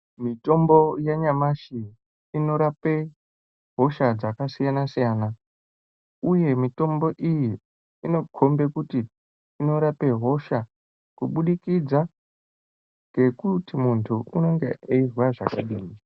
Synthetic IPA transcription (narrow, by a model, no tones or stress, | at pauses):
mito̞mbo̞jaɲamaʃi | ino̞ɾape | ɦo̞ʃad͡zakasijanasijaːna | uje̞mito̞mbo̞ʔiji | ino̞kʰombe̞kutiː | no̞ɾape̞ɦo̞ʃa | kuɓuɗikid͡za | ŋɡe̞kutimuntʰuuno̞ŋɡeeirwaʐa̰kaɗiːmi